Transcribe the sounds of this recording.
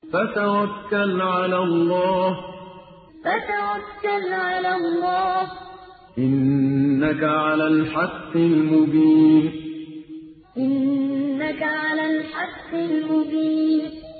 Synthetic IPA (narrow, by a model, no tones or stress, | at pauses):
fat̪awakːalʕalalˤːɑːh | fat̪awakːalʕalalˤːɑːh | ʔɪnːakaʕalaːlħɑqːɪlmʊbiːn | ʔɪnːakaʕalaːlħɑqːɪlmʊbiːn